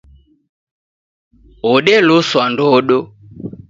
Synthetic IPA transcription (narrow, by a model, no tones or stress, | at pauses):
ɔɗɛlʊswandɔɗɔ